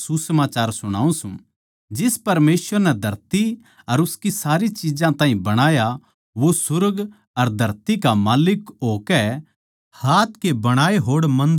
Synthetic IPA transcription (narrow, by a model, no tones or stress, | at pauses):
susɐmaːt͡ʃaːɾsʊɽ̃a̰ːũsṵ̃ | d͡ʒɪspɐɾmeːsʋəɾnɛd̪ʱɐɾt̪i | ɐɾʊskisaːɾit͡ʃid͡ʒãt̪ãːɦĩbɐɽ̃aːja | ʋosʊɾɡ | ɐɾd̪ʱɐɾt̪ikamaːlɪkɦoːkɛ | haːt̪kebɐɽ̃aːeɦoːɽmɐ̃nd̪